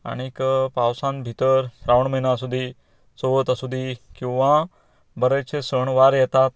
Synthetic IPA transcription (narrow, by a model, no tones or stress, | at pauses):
a̰ɽ̃ikpaʋsãnbʱit̪əɾsɾaʋəɳməɦinasud̪ʱi | soʋət̪əsud̪ʱikĩw̃ʋã | bəɾət͡ɕʰesəɳʋaɾjɛt̪at̪